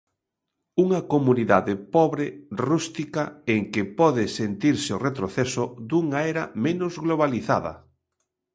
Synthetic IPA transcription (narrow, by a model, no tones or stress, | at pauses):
uŋɐkomuniðaðɪpɔβɾɪrust̪ikaeŋkɪpɔðɪsent̪iɾsɪoret̪ɾoθɛsʊd̪uŋaɛɾɐmẽnʊzɣloβ̞aliθa̰ðɐ̰